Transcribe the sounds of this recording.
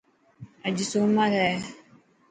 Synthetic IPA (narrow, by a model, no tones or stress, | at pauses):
ad͡ʒisomaɾɛ